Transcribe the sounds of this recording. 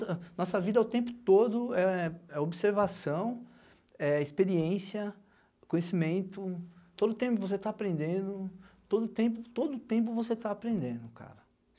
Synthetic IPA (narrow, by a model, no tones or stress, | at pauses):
nɔsɐvid̪ɐɛʊt̪ẽmpʊ̥t̪od̪ʊɛɛobiseɾvasɐ̃w̃ | ɛispeɾiẽsiɐ | kõjesimẽnt̪ʊt̪od̪ʊt̪ẽpʊvos̬et̪aːpɾẽnd̪ẽd̪ʊt̪od̪ʊt̪ẽp̬ʊt̪od̪ʊt̪ẽp̬ʊvoset̪aːpɾẽnd̪ẽnd̪ʊka̰ɾɐ